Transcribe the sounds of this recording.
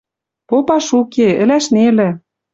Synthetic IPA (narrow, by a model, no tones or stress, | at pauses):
popɑʃukeɘ̆læʃnelɘ̆